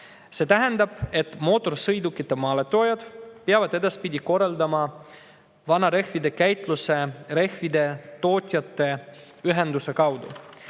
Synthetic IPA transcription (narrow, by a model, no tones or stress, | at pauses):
se̞ːt̪æɦend̪ɑb̥e̞t̪ːˑmo̞ːt̪ːˑo̞rsɤjd̪ukːˑit̪ːˑe̞mɑːlet̪ːˑo̞ːjɑd̪̥peɑvɑd̪e̞d̪ɑspid̪ʲiko̞rːɑld̪ɑmɑ | vɑnɑɾe̞hvid̪e̞kæjt̪ˑluse̞ɾe̞hvid̪e̞t̪o̞ːt̪ʲjɑt̪ːˑe̞ | yɦe̞nd̪use̞kɑwd̪ṵ